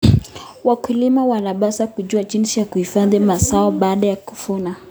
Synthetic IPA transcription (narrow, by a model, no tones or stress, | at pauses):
wakulimawanaɓasakuʄuaʄinsijakuhifaðimasaɔɓaːɗajaku̥funa